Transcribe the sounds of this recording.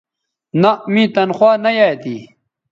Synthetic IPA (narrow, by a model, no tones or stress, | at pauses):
nɐmĩt̪ɐnxwaːnɐjaːjt̪i